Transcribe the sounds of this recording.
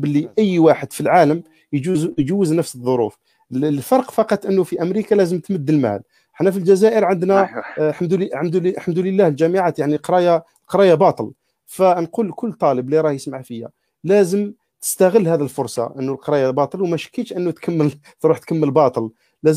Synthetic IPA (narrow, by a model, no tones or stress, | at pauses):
bəlːiʔəjːwaħəd̪filʕaləm | jd͡ʒuzjd͡ʒuːəznəfsəðˤːoɾṵf | lfɑɾˤqfɑqɑt̪ˤʔənːufiʔæmɾikalæzəmt̪məd̪ːəlmæ̰l | ħnæfild͡ʒæzæʔəɾʕənd̪næħamd̪ħəmd̪ħamd̪uləlːæhld͡ʒæməʕat̪jaʕniqɾˤɑja | lqɑɾˤɑjabɑt̪ˤəl | fænqulkʊlːt̪ˤɑləbliɾˤɑhjəsmaʕfijæ̰ | læzəm | t̪ə̥st̪æɣəlːhæd̪ilfʊɾˤsˤɑ̰ʔənːulqɑɾˤɑjabɑt̪ˤəlwmæʃə̥kːiʃʔənːut̪kʰəmːəl | t̪ɾuħt̪kəmːəlbɑt̪ˤəl | læz